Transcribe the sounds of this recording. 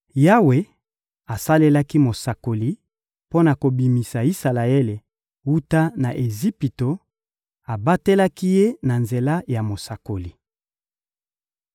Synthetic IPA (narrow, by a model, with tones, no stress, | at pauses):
ja˦we˨ | a˨sa˦le˦la˦ki˦mo˨sa˨ko˨li˨ | po˦na˨ko˨bi˨mi˨sa˨i˦sa˨la˨e˦le˨ | wu˦ta˦na˨ʔe˨zi˦pi˨to˨ | a˨ba˦te˦la˦ki˦je˦na˨nze˨la˦ja˨mo˨sa˨ko˨li˨